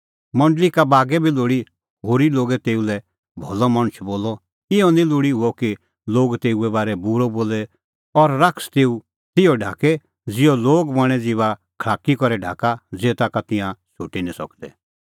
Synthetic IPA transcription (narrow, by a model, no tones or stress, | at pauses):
mɐ̃ɳɖlikabaːɡɛbʱiloːɽi | ɦoːɾiloːɡɛt̪eːulɛ | bʱɔlɔmɐ̃ɽ̃ət͡ʃʰboːlɔ | ɪjɔnĩlʊːɽiɦʊɔki | loːɡt̪eːuɛbaːɾɛbuɾɔboːlɛ | ɔɾːakst̪eːu | t̪ɪjɔɖʱa̰ːkɛ | d͡zɪjɔloːɡbɐɽ̃ɛd͡ziʋa | kʰɭaːkikɔɾɛɖʱa̰ːkad͡zeːt̪akat̪ɪ̃jãʃoːʈinĩsɔ̰kd̪ɛ̰